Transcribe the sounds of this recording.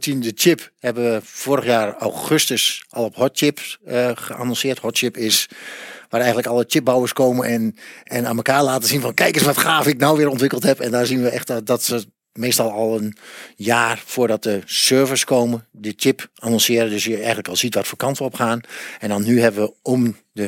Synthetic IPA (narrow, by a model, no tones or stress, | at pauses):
sindət͡ʃɪphɛbəʋəfoːɾəxjaːra̰wxøstəsʔɔlˠɔphɔtt͡ʃɪpəχəʔa̰ːnɔ̃nsɪərthɔtt͡ʃɪpɪsʋaːɾɛjɣən̩tləkɑlˠət͡ʃɪp̚bawəskoːmənʔɛnɛnaːnməkaːɹlaːtəsinfɔnkɛjkəsʋɔtxaːfɪk̚nawʋɪːɾɔntʋɪkəlˠthɛpɛndaːɹzinʋəɛxtdɔtsə | meːstɑlˠɔlˠənjaːrfoːɹdɔt̚dəsøːvəskowmədət͡ʃɪpanɔ̃nsɪəɾəndøsjəɛjɣən̩tləkɔlˠsitʋatfoːkɑntəɔpxaːnɛndɔnːyɦɛbəʋəɔm | də